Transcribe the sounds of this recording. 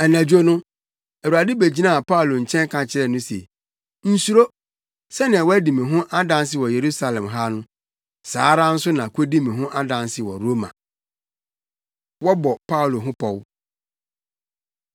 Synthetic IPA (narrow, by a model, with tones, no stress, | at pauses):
ɛ˨næ̃˨d͡ʑᶣu˦o˦nʊ̃˦ | æ˨wu˨ɾa˨dɪ˦be˨d͡ʑi˦nã˦˨pa˦u˨lo˨ɲ̩˨t͡ɕʰɛ̃˦ŋ˦kʰã˨t͡ɕʰɪ˦ɾɛ˦˨nʊ̃˦sḛ˨ | n̩˨su˦ɾo˦ | sɛ˦nɪ̃˨a˨wɔ˦æ˦dĩ˨mɪ̃˨ɦʊ̃˦ʔa˦dã˨ns̬ɪ˨wɔ˨je˨ɾu˦sa˨lɛ̃˨mɦa˦nʊ̃˦ | saː˨˦ɾa˦n̩˦sʊ˦nã˨kʰo˦dĩ˦mĩ˨ɦʊ̃˦ʔa˦dã˨nsɪ˨wɔ˨ɾo˦mã̰˨ | wɔ˦bɔ˨pʰa˦u˨lo˨ɦʊ̃˦pʰɔ˨w